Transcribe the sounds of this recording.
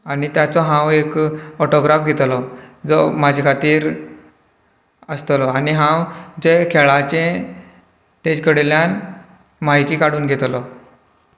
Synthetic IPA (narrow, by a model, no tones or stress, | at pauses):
anit̪jat͡sɔɦãwekɔʈoɡɾafɡʱet̪lɔd͡zɔmad͡ʑʱekʰat̪iːɾ | əst̪lɔaniɦãwd͡zekʰeɭat͡ɕẽ | t̪et͡ɕkəɽljan | maɦit̪iːkaɽ̤uːnɡʱet̪lɔ